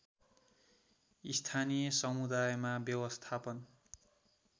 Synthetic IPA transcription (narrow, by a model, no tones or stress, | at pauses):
ist̪ʰanijʌsʌmud̪ajmabjʌwʌst̪ʰapʌn